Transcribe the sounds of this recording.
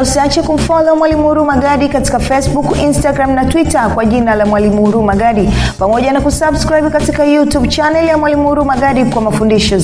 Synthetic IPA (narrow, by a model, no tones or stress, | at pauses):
usiat͡ʃɛkum̩fɔlɔmwalimuɾumaɡaɗikati̥kafɛsbukinstaɡɾamnatwitakwaʄinalamwalimuɾumaɡaɗipamɔʄanakusabskɾaibkatikajutub̚t͡ʃanɛljamwalimuɾumaɡaɗikwamafundiʃɔ